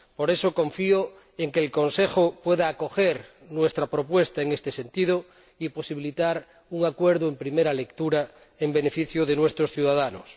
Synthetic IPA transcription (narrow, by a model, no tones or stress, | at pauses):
poɾesokõɱfio | eŋkeːlkonsexopweðaːkoxeɾ | nwest̪ɾapɾopwest̪aeŋest̪esent̪ið̞o | iposiβilit̪aɾ | uŋakweɾðoempɾimeɾalekt̪uɾa | embenefiθjoðenwest̪ɾosθjuðaðanos